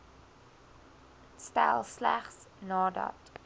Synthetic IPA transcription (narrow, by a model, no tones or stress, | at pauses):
stælˠslæχs | nɑːdɐ̰t